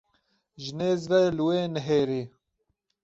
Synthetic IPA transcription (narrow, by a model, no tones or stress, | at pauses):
ʒɪneːzvɛlɨweːnəɦeːɾeː